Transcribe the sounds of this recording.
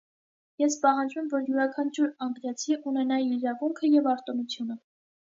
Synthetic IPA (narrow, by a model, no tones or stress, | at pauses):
jɛspɑɦɑnd͡ʒvɛmvɔɾjuɾɑkʰɑnt͡ʃʰuɾɑŋɡɾɑt͡sʰiʔunɛnɑjiːɾɑvuŋkʰəjɛvɑɾt̪ɔnut͡sʰjunə